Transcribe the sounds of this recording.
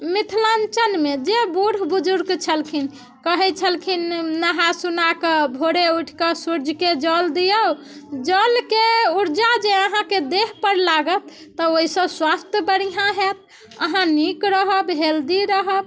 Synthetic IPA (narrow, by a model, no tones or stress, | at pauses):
mit̪ʰlant͡ʃənmed͡ʒebuɾbud͡ʒuɾɡt͡ʃʰəlkʰin | kəɦɛt͡ʃʰəlkʰinːəɦasunakəbʱoɽeuʈʰkəsuɾd͡ʒʱked͡ʒəld̪ijə | d͡ʒəlkeuɾd͡ʒad͡ʒeəɦãked̪eɦpəɾlaɡət̪ːəoisə̃bswast̪ʰjəbəɽiɦãɦet̪̚ | əɦãnikɾəɦəbɦeld̪iɾəɦəb